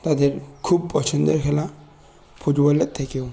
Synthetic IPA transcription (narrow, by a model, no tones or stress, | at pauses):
tadɛɹkʰub̚pɹɔsʰɔndɔɹkʰɛla | pʰutbɔlɛt̚tʰːakiʊ